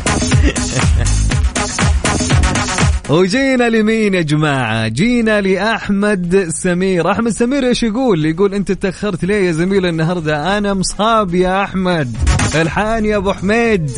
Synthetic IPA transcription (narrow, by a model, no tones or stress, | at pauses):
wd͡ʒiːnalimiːnʔɪd͡ʒmaːʕa̰d͡ʒiːnaliʔaħmad̪sːamiːɾʔaħmad̪samiːɾʔeːʃjaɡuːlːijɡuːlʔɪnt̪at̪d̪axːɑɾˤt̪leːjazamiːlɪnːaɦɑɾˤd̪aʔanamsˤhɑːbjaʔaħmad̪ʔɪlħaːnjabʊħmeːd̪